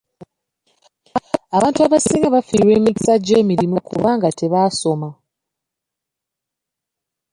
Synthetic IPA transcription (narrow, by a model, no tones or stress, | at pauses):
aβaːntuaβasiːŋaβafiɾwe̞ːmiɟi̥saɟeːmiɾimokṵβaːŋɡatʰe̞βaso̞ma